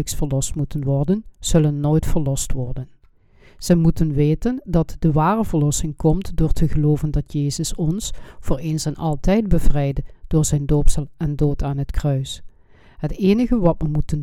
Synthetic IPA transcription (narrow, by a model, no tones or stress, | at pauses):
əksfəɹlɔstmutənʋɔrdənz̥ɵlənːoːjtfəɹlɔstʋɔrdən | z̥əmutənʋeːtəndɑtd̥əʋaːrəvəɹlɔsɪŋkɔmtdʊːɹtʰəɣəloːvəndɑtʰjeːzəsɔnsv̥oːɹeːnsɛnɑ̰lˠtɛjd̚bəvrɛjdəd̥ʊːɹzɛjndoːpsɑlˠɛndoːtʰaːnɦətkrœɥs | ɦəteːnəɣəʋɑtməmutən